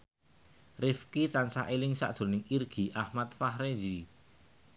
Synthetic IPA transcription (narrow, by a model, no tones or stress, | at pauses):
rɪfkit̪ansa̰ʔelɪŋsa̰ʔd̥ʒ̥o̤nɪŋirɡ̥i̤ʔahmat̪̚fahɾezi